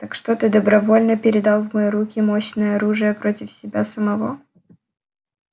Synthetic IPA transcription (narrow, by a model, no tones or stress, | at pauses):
t̪akʂt̪ot̪ɨd̪əbɾɐvo̞lʲnəpʲɪɾʲɪd̪ɑlˠvməjiɾukʲɪmoɕnəjəɐɾuʐɨjəpɾotʲɪfsʲɪbʲasəmɐvo